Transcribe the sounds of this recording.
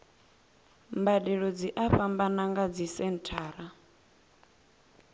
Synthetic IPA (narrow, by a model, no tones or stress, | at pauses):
mbadɛɺɔd͡ziʔaɸambanaŋɡad͡zisɛntʰaːɾa